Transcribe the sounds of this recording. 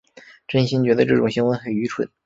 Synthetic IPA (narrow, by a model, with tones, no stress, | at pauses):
ʈ͡ʂə˥nɕi˥nt͡ɕɥɛ˧˥d̪ə˧ʈ͡ʂɤ˥˩ʈ͡ʂʊ˨˩ŋɕi˧˥ŋwə˧˥nxə˨˩ny˧˥ʈ͡ʂʰwə̰˨˩˦n